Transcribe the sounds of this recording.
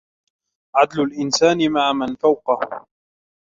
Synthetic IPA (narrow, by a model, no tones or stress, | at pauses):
ʕad̪lʊlʔɪnsaːnɪmaʕamanfawqɑh